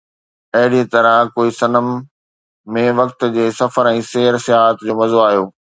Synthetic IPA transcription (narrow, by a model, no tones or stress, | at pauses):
ɐɦɪɽiet̪ɐɾəkoːisɐnəmː | ẽʋɐk̚t̪d͡ʑeːsɐfəɾɛ̃ːseːɾsɪjaːɦət̪d͡ʑoːmɐzoaːɦjoː